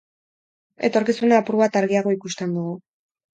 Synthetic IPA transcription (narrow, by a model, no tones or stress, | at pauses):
e̞̰t̪o̞ɾkisunaːpuɾuβat̪aɾɣiaɣ̞o̞ikust̪e̞nd̪uɣu